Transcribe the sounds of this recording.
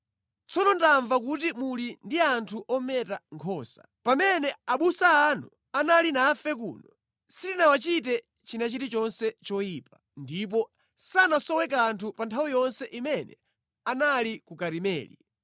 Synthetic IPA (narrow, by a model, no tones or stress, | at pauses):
t͡sʰɔnɔntaɱvakut̬imulindiantʰuʔɔmɛtaŋkʰɔːsḁ | pamɛnɛaɓusaːnɔ̰ | analinafɛk̬ṵːnɔ | sitinawat͡ʃit̬ɛ | t͡ʃinat͡ʃitit͡ʃɔnsɛt͡ʃɔipa | ndip̬ɔ | sanasɔwɛk̬antʰupantʰawijɔnsɛʔimɛnɛ̰ | analikukaɾimɛ̰ːlḭ